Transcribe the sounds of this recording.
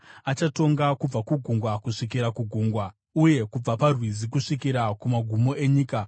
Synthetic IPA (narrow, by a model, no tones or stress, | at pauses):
at͡ʃato̞ŋɡakub͡vakuɡʱuŋɡwakuʂik̬iɾakuɡʱuːŋɡwa | uje̞kub͡vaparwizikuʂikiɾakumaɡʱumo̞ʔe̞ɲiːka